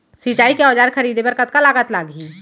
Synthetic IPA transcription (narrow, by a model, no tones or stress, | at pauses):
sit͡ʃaːikeɔːd͡ʒaːɾkʰəɾiːd̪ebəɾkət̪̚kalaːɡət̪laːɡʱi